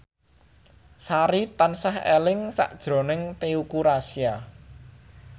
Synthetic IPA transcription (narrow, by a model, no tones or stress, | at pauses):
saɾit̪ansahḛlɪŋsa̰ʔd̥ʒ̥ɾo̤nɪŋt̪eukuɾasia